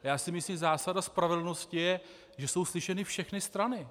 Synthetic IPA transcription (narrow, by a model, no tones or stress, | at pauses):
jaːsɪmɪslimzaːsadaspɾavɛdl̩no̞scɪjɛ | ʒɛso̞wslɪʃɛnɪfʃɛxnɪst̪ɾanɪ